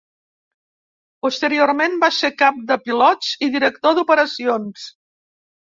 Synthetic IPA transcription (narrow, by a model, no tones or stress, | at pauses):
pust̪əɾioɾmenbasekap̚d̪əpilɔt͡siðiɾək̚t̪oðupəɾəsions